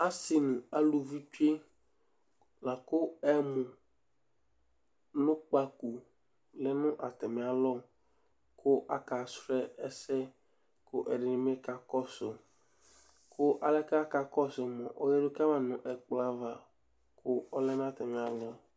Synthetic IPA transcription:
a˦sɪ˨nʊ˨a˦lu˨vi˦tu˦e˦ | la˨kʊ˦ɛ˦mʊ˨ | nʊ̃˦k͡pa˨ku˨ | lɛ˦nʊ̃˦ʔa˨tɛ˨mɪ˨a˨lɔ˦ | kʊ˦ʔa˨˦ka˨sɾɛ˦ɛ˦sɛ˦ | kʊ˦ʔɛ˨dɪ˨nɪ˨mɪ˦ka˨kɔ˦sʊ˨ | kʰʊ˦ʔa˨lɛ˦ka˦ka˨kɔ˦sʊ˨mɔ˨ʔɔ˦jɛ˦ɾʊ˦ka˦ma˨nʊ̃˨ʔɛ˨k͡pla˨va˨ | kʰʊ˦ɔ˦lɛ˦nʊ̃˦a˨tɛ˨mɪ˨a˨lɔ˦

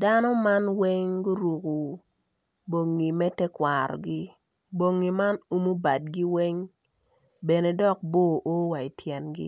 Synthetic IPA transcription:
da˦nɔ˦ma˦nwɛ˦ŋɡʊ˦ɾu˨ku˨ | bo˨ŋːi˨mɛ˦tɛ˦kwa˨ɾɔ̰˨ɡɪ˦ | bo˨ŋːi˨ma˦nu˦mu˦ba˨d̚ɡi˦wɛ˦ŋ | bɛ˨ne˨dɔ˦k̚boː˦ʔo˦wa˨i˨tʰjɛ˨nɡɪ̰˦

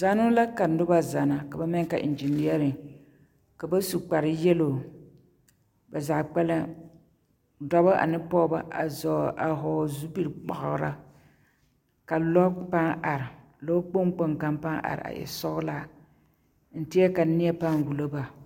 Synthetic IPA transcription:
za˦nʊ˦la˦ka˨n̩˨dʊ˦ba˦za˨na˨ka˨ba˦mɛ˦ŋ˦ka˨ʔɪ̰˨nd͡ʒi˨ni˦ɛ˦ɾɨ˨ | ka˨ba˦su˨k͡pa˨ɾɨ˨jɛ˦lo˨ | ba˨zaː˨k͡pɛ˦la˦ | da˦ba˦ʔa̰˨nɨ˦pɔ˦ba̰˦ʔa˨zɔ˨ʔa˨ɦɔː˨zu˦bi˦ɾk͡pɔ̰˨ʔʊ˨˦ɾa̰˦ | ka˨lɔ˦pa˦ŋa˨ɾɪ˨ | lɔ˦k͡po˦m˦k͡po˦ŋka˦mpa˦ŋʔa̰˨ɾɪ̰˨a̰˨jɛ̰˨sɔ˦ɡʊ˦la˦ | n̩˦tɪ˦a˦ka˨nɪ˦ɛ˦pa˦ŋwu˨lo˦ba˨

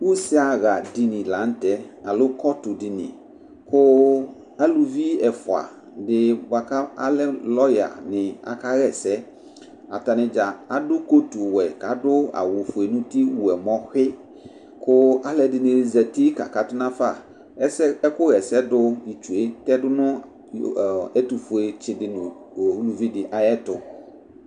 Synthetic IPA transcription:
wu˦sɪ˦a˨ɣa˨di˨nĩ˨la˨˦n˦tɛ˦a˨lʊ˦kɔ˦tʊ˨di˨nɪ̰̃˨ | kʊ˦ | a˦lu˨vi˦ɛ˨fʊ˨a̰˨ | dɪ˨wa˨ka˦a̰˦lɛ˦lɔ˦ja̰˨nɪ̃˨a̰˨ka˦ɣɛ˨sɛ˦ | a̰˨ta˨nɪ̃˨d͡ʒa˨a˨dʊ˦ko˦tu˨wɛ˨ka˨˦dʊ˦a̰˨wʊ˨fʊ˨e˨nũ˦ti˦wu˨ɛ˨mɔ̃˦xɪ˦ | kʊ˦a˦lɛ˨dɪ˨nɪ̃˨lɪ˨zɛ˨ti˦ka̰˨ka˨tʊ˦nã˦fa˨ | ɛ˦sɛ˦ɛ˦kʊ˦ɣɛ˨sɛ˦dʊ˦i˨t͡ʃu˨e˦tɛ˦dʊ˦nʊ̃˦˨ | ɛ˦tu˨fʊ˨e˨t͡ʃɪ˨dɪ˨nʊ̃˨ | wu˦lu˨vi˦dɪ˨ʔa˨jɛ˦tʊ˨

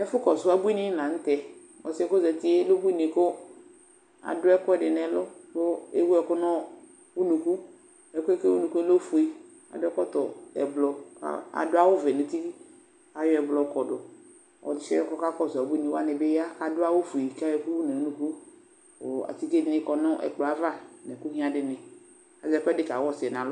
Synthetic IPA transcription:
ɛ˦fʊ˦kɔ˨sʊ˨˦a˨bu˦i˦nɪ˦nã˨n̩˦tɛ˨ | ɔ˨sɪ˦kʊ˦zɛ˨tɪ˦e˦lo˦bu˦i˦nɪ˨kʊ˦ | a̰˨dʊ˦ɛ˦kʊ˦ɛ˦dɪ˨nɛ˨lʊ˦kʊ˦e˦wu˦ɛ˨kʊ˦nɔ˦ | u˦nũ˨ku˦ | ɛ˨kʊ˦ɛ˦ke˦u˦nũ˨ku˦lo˦fu˨i˦ | a̰˨dʊ˦ɛ˦kɔ˦tʊ˨ɛ̰˨blɔ˨ka̰˨a̰˨dʊ˦a˦wo˦vɛ˨nẽ˨t̪i˦ | a˨jɔ˦ɛ˨blɔ˨kɔ˨dʊ˨ | ɔ̰˨t͡ʃɛ˦ɔ˦kɔ˦ka˦kɔ˦˨za˨be˦nĩ˨wa˦nɪ˨be˦ja˦ka˨dʊ˦a˦wo˦fu˨i˨ka˦jɔ˦ku˦u˦nɛ̃˨wu˦nũ˨ku˦ | o˨a̰˨ti˦ke˦di˦ɪ˦kɔ˨nɔ̃˦ʔɛ̰˨k͡plɔ˨a˨va˦nɛ̃˨ku˦ɦĩ˦a˦dɪ˨nɪ˨ | a˨zɛ˦kɛ˦dɪ˦ka˨wɔ˦sɪ˨ɛ˨n˨ã˨lʊ˦

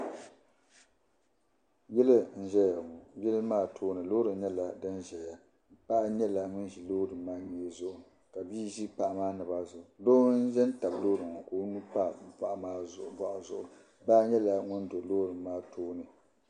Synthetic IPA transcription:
jɛ˦lɨ˦n̩˦˨ʒɛ˦ja˨ŋɔ˨jɛ˦lɨ˦maː˦˨tʰoː˦nɨ˨lo˦ɾɨ˨˦ɲɛ˦la˨dɨ˦nʒɛ˨ja˨ | m̩˦pa˦ʔa˦ɲɛ˦la˨ŋʊ˦n˦ʒi˨lo˦dɨ˨˦maː˦ɲeː˨˦zʊ˦ʔʊ˨ | ka˨biː˦ʒi˦pa˨ʔa˨maː˦nɨ˨ba˦zʊ˨ʔloː˦n̩˦ʒɛ˦n˦ta˨bloː˦ɾɨ˨ŋ˨koː˦nu˦pa˦˨pa˨ʔa˨maː˦zʊ˨ʔʊ˨ba˦ʔʊ˨zʊ˨ʔʊ˨ | baː˦ɲɛ˦la˨ŋʊ˦ndo˨loː˦ɾɨ˨m˦maː˦tʰoː˦nɨ˨

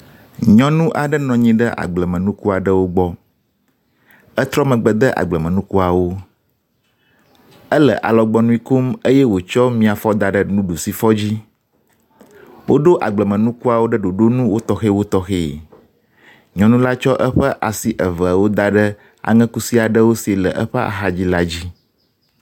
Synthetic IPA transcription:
ɲɔ̃˨nũ˦ʔa˨ɖə˦nɔ̃˨ɲĩ˦ɖə˦ʔa̰˨ɡ͡blə˨mə̃˨nũ˦ku˦a˨ɖə˦wo˦ɡ͡bɔ˦ | ə˦t̪ɾɔ˦mə̃˨ɡ͡bə˨d̪ə˦ʔa̰˨ɡ͡blə˨mə̃˨nũ˦ku˦a˨wo˦ | ə˦lə̰˨ʔa˨lɔ˨ɡ͡bɔ˦nũ˦ĩ˦ku˦mə˦jɛ˦wo˨t͡ʃɔ˦mĩ˦a˨fɔ˦d̪a˨ɖə˨nũ˦ɖu˨si˦fɔ˦d͡ʑi˦ | wo˦ɖo˦ʔa˨ɡ͡blə˨mə̃˨nũ˦ku˦a˨wo˦ɖə˦ɖo˨ɖo˦nũ˦wo˦t̪ɔ˦xe˦wo˦t̪ɔ˦xe˦˨ | ɲɔ̃˨nũ˦la˦t͡ʃɔ˦ʔə˦ɸə˦ʔa˨si˨ʔə˨və˨a˨wo˦d̪a˨ɖə˦ | a̰˨ŋɛ̃˦ku˦si˦a˨ɖə˦wo˦si˨e˨lə˨ʔə˦ɸə˦a̰˨xa˨d͡ʑi˦la˦d͡ʑi˦

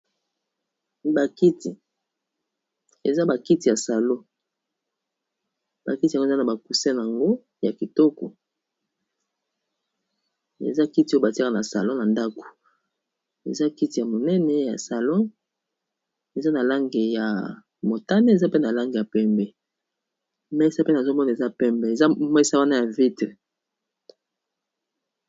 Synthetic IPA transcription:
ba˨ki˦ti˨ | e˨za˦ba˨ki˦ti˨ja˨sa˨lo˦ | ba̰˨ki˦ti˨ɡza˦na˨ba˨ku˨se˦n˨a˨ŋɡo˦ | ja˨ki˨tɔ˦kɔ̰˨ | ḛ˨za˦ki˦ti˨˦o˦˨ba˨ti˦a˦ka˨na˨sa̰˨lɔ̃˦na˨nda˦ko̥˨ | ḛ˨za˦ki˦ti˨ja˨mo˨nɛ˦nɛ˦ja̰˨sa˨lɔ̃˦ | e˨za˦na˨la˦ŋɡe˨ja˨ | mo˨ta˦ne˦e˨za˦pe˦na˨la˦ŋɡe˨ja˨pɛ˦mbɛ˨ | mɛ˦sa˦pe˦na˨zo˦mɔ˦n˨e˨za˦pɛ˦mbe˨e˨za˦mɛ˦sa˦wa˦na˦ja˨vi˦te˨

